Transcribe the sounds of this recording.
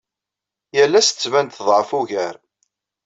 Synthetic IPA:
jəlːæst͡sːvænt̪θəðˤʕəfuʝəɾ

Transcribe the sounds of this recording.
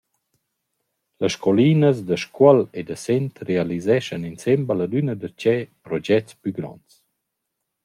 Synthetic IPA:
ləʃkʰɔlinəsd̪əʃkwəled̪əsɛnt̪realizɛʃəninsɛmbəlad̪ynəd̪ət͡ʃɛpɾɔd͡ʒɛt͡spyɡɾɔ̰nt͡s

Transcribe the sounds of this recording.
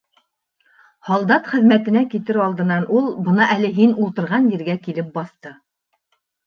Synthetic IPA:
hɑlˠd̪ɑt̪χɘ̆ðmæt̪ɘ̆nækit̪ɘɾɑlˠd̪ɤ̆nɑnʔulˠbɤ̆nɑʔælɘɦinulˠt̪ɤ̆ɾʁɑnjɘ̆ɾɡækilɘp̚bɑθt̪ɤ

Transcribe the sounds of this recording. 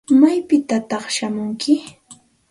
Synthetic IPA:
majpɪt̪at̪ɑχʃamʊŋkʰɪ

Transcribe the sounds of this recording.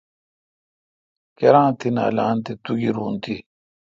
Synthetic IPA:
keɾãːt̪ina̰ːlaːnt̪it̪uɡiɾuːnt̪i

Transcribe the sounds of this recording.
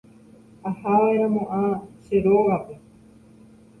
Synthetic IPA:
ahaʋaeɾãmõʔaʃeɾoʋape

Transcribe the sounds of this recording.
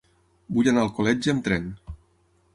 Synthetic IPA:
buʎanalˠkolɛd͡ʒəmt̪ɾɛn

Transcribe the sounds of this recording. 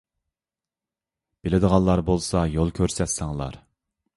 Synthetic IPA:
b̥ɪlɪd̪əʁɑnlːˠɑɾbolˠsɑjolˠkʲʰøɾsɛt̪sɛŋlˠɑ̰ɾ

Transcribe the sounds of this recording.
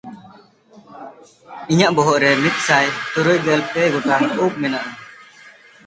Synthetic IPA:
iɲaʔbɔɦɔʔɾɛmit̪̚sajt̪uɾujɡɛlpɛɡɔʈaup̚mɛnaʔa

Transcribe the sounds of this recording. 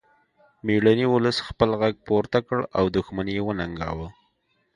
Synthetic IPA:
miɽaniwʊləsxpəlɣaɡ̚poɾt̪akəɽawd̪ʊxmanjewənaŋɡɑ̰wə

